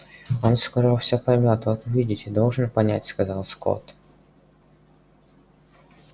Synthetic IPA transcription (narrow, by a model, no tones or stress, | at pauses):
onskɔɾɔfsʲapɐmʲat̪ɔt̪ʊvʲidʲɪtʲɪd̪olˠʐɨnpɐnʲætʲskɐzɑlˠsko̰t̪